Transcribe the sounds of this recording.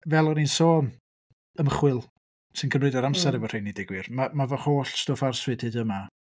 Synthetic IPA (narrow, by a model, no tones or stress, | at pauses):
vɛlˠɔninsoː | əməχwɪlˠ | sɨnkʰəmrɨdɔɾamsɛɾɛvɔr̥ejnidɪɡwɪrmamavɔhoːɬstoːfarswɨd̥hɨːdəma